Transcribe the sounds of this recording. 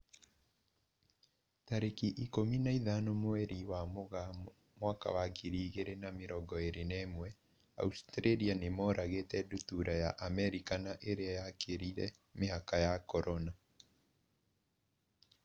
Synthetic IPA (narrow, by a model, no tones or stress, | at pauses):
taɾekiʔikominaiðanomoɛɾiwamoɣa | mwaka̰wakʰiɾiːɣeɾenameɾɔɡɔeɾenɛmwɛ | a̰ustɾeɾianemɔɾaɣetɛdutuɾajaʔamɛɾikanaʔeɾeajakʰeɾiɾɛ̰ | meɦakajakɔɾɔna